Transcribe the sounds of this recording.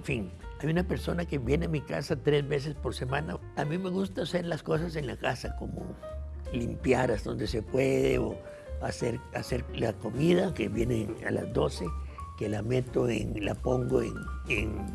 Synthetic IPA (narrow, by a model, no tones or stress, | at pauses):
ɱfiŋajunape̞ɾso̞nake̞βje̞neamika̰sat̪ɾe̞zβe̞s̬espo̞ɾse̞mana | amime̞ɣust̪ase̞ɾlasko̞s̬ase̞nlakasako̞mo̰limpjaɾast̪o̞nd̪e̞sepwe̞ðeo̰ | aseɾase̞ɾlako̞miðakeβje̞nea̰la̰zd̪o̞se̞kelame̞t̪o̞ḛŋla̰po̞ŋɡoḛneŋ